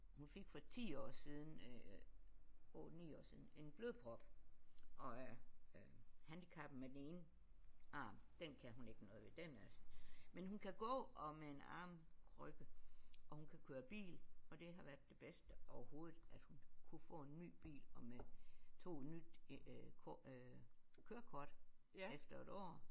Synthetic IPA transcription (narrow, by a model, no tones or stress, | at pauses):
hunfe̝ɡ̥fɒ̽t͡sʰḭːɒ̰ːsiːð̞ˠn̩ | ɔ̰nḭːɒ̰ːsiðˠn̩e̝nb̥løːðˠpʰʁɒ̽b̥ʔɒ̽æɐ | hænd̥ikʰɑ̈b̥n̩med̥ene̝ːnə | ɑ̈ːmd̥enkʰæhune̝ɡ̥ənɔ̽ːð̞̩ˠʋe̝d̥enælsə̥menɦunkʰæɡ̥ɔ̰̽ːʔɒ̽mee̝nɑ̰̈ːmkʰʁœɡ̥əʔɒ̽hunkʰækʰøːɐb̥ḭːlɒ̽d̥e̝ɦɑ̈ʋæɐd̥ːe̝b̥esd̥əɒʊɐho̝ːð̞̩ˠæd̥hunkʰufɔ̰̽ːe̝nːy̰ːb̥ḭːlɒ̽met͡sʰo̝̰ːnyd̥ | kʰøːɐkʰɒd̥ | efd̥ɐe̝d̥ɒ̰ː